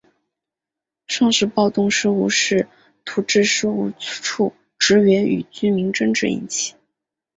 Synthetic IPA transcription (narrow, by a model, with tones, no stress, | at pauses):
ʂʰɑ˥˧ŋʂɻ̩˥˧pɑ˥˧ʊt̪ʊ˥˧ŋʂɻ̩˥˧u˥˧ʂɻ̩˥˩ | t̪ʰu˧˥ʈ͡ʂɻ̩˥˧ʂ̩˥u˥˩˥ʈ͡ʂʰu˥˩ | ʈ͡ʂɻ̩˧˥ɥɛ˧˥ny̰˨˩t͡ɕy˥mi˧˥ŋʈ͡ʂɤ˥˧ŋʈ͡ʂɻ̩˥˩ḭ˥˩nt͡ɕʰi˥˩˦